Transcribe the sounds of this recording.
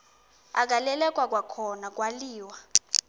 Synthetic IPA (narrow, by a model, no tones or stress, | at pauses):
ak̬ʼalɛlɛk̬ʼwak̬ʼwakʰɔnak̬ʼwaliːwa